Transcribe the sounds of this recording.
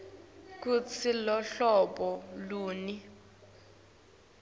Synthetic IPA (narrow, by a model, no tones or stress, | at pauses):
k̬ut͡sʰilɔɬɔɓɔluːni